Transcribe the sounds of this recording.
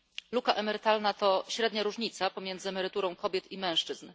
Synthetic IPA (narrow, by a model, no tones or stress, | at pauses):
lukaʔɛmɛɾɘt̪alnat̪ɔɕɾɛd̪ɲaɾuʐɲit̪sapɔmʲjɛnd̪zɘɛmɛɾɘt̪uɾɔ̃w̃kɔbʲjɛt̪imɛ̃w̃ʂt͡ʂɘzn